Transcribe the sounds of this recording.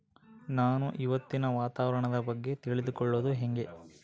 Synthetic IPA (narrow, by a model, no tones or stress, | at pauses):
naːnuʔiʋɐt̪ːinɐʋaːt̪aːʋɐɾɐɳɐd̪ɐbɐɡːe̞t̪iɭid̪ukɔɭːoːd̪uɦeŋɡe̞